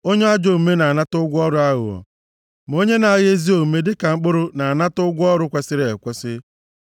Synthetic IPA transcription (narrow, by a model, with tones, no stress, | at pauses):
o˦ɲe˦a˦d͡ʒo˨me˦na˨a˨na˦tʊ˦ɡʷɔ˦ɾʊ˦a˦ɣʊ̰˨ɔ̰˨ | m˨o˦ɲe˦na˨a˨ɣe˦zi˦o˨me˦dɪ˦ka˨ŋ͡m̩˦k͡pʊ˦ɾʊ˦na˨a˨na˦tʊ˦ɡʷʊ˦ɔ˦ɾʊ˦kʷe˨sɪ˦ɾɪ˦e˨kʷe˦sɪ˦